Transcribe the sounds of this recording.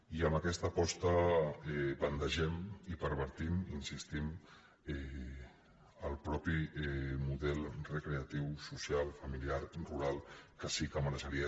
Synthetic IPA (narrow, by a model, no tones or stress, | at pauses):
iəməkɛst̪əpɔst̪əɛbənt̪əʒɛmipəɾβəɾt̪iminsist̪im | ɛ | əlˠpɾɔpiɛmuðɛlˠrəkɾeat̪iwsusialˠfəmiliaɾruɾalˠkəsikəməɾəʃəɾiə